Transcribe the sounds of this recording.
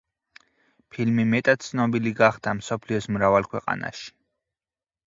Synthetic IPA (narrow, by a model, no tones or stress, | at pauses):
pʰilmimɛt̪ʼat̪̚t̪sʰnɔbiliɡaχd̪amsɔpʰliɔsmɾavalˠkʰwɛqʼa̰na̰ʃi̥